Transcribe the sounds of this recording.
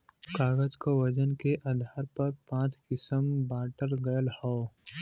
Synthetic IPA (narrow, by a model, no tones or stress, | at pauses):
kaːɡəd͡ʒkoʋɐd͡ʒənkeʔaːd̪ʱaːɾpɐɾpãːt͡ʃkɪsəmbaːʈəɾɡɐjəlhɔː